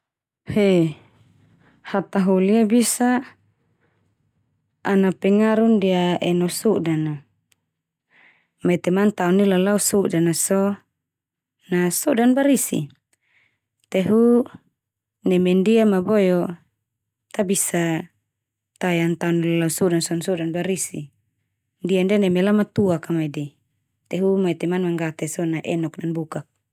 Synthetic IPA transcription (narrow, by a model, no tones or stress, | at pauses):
he | hat̪aɦuliabisa | napɛŋaɾundiaʔɛnɔsudana | mat̪ɛmant̪aɔnilalausudanasɔ | nasudanbaɾisḭ | t̪ɛɦu | nɛmɛndiamabɔjɔ | t̪abisa | t̪ajant̪aɔnilalausɔdansɔnsɔdanbaɾisi | ndiandɛnɛmɛlamat̪uakamaidi | t̪ɛɦumait̪ɛmanmaŋɡat̪ɛsɔnaʔɛnɔk̚nanbukak̚